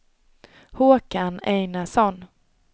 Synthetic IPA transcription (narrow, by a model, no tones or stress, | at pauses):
huːkanejnasɔn